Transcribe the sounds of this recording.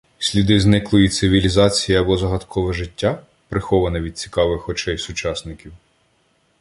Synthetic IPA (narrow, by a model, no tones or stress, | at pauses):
sʲlʲid̪ɪznɪklˠʊjit̪sɪʋʲilʲizɑt͡sʲijiɐbɔzɐɦɐt̪kʰɔʋɛʒɪtʲːa | pɾɪxɔʋɐnɐʋʲid̪̚t͡sʲi̥kɑʋɪxɔt͡ʃɛjsʊt͡ʃɑsnɪkʲiw